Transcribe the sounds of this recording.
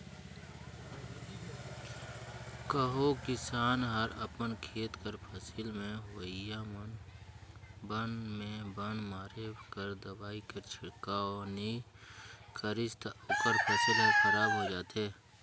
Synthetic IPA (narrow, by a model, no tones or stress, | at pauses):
kəɦokɪsaːnɦəɾəpənkʰeːt̪kəɾpʰəsilmẽɦəja | bənmẽbənmaːɾekəɾd̪əbaːikət͡ʃʰɪkaɔːni | kʰəɾɪst̪oːkəɾpʰɐsilɦəxəɾaːbɦoːd͡ʒaːt̪eː